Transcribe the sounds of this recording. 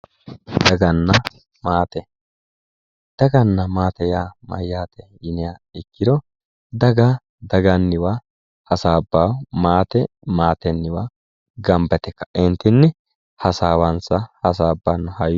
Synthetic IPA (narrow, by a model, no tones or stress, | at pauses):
d̪ɐɡɐnːɐ | maːt̪ɛ | d̪̥ɐɡɐnːɐmaːt̪ɛjaːmɐ̰jːaːt̪ɛjɪnɪjaɪkːɪd̪ɔ | d̪ɐɡa | d̪ɐɡɐnːɪwa | hɐsaːbːawmaːt̪ɛ | maːt̪ɛnːɪwa | ɡɐmbɛt̪ɛkːɐ̥ɛnt̪ɪnːɪ | hɐsaːwɐnsɐhɐs̬aːbːanːʊhɐj